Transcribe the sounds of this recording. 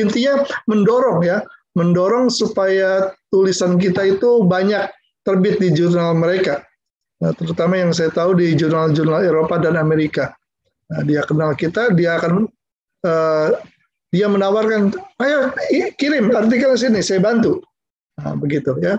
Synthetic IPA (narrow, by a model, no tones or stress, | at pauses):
int̪iɲaməndoɾɔŋja | məndoɾɔŋsupajat̪ulisank̬it̪ait̪ubaɲak̚ | t̪ərbɪt̪̚did͡ʒurnalməɾeka | t̪əɾut̪amajaŋs̬ajat̪audid͡ʒurnald͡ʒurnaleɾopadanameɾika | ədiakənalkit̪adiaːkan | ə | diamənawarkanajaikiɾɪmart̪ikansinisajabant̪u | ə̰bəɡit̪uja